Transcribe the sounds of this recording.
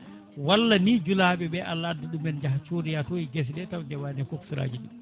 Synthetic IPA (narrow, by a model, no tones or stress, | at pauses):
walːanid͡ʒulaːɓɛɓɛʔalːaadːaɗumɛnd͡ʒaht͡ʃoɾijatoiɡes̬dɛtawdɛwanɛfoksuɾa̰ːd͡ʒiɗḭ